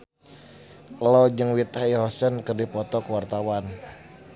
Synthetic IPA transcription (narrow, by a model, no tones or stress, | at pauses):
lɔd͡ʒɨŋwit̪aiɦɔsənkərdipɔt̪ɔkəwart̪awan